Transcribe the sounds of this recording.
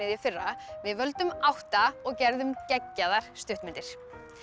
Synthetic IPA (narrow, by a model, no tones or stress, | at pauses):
ɪðjiafɪrːavɪðvœlt̪ʏmawht̪aɔɣcɛɾðʏmcɛcːaðaɾ̥st̪ʏht̪mɪnt̪ɪɾ̥